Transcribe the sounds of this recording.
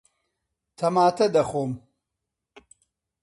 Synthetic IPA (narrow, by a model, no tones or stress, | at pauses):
t̪ʰɐmaːt̪ʰɐd̪ɐxoːm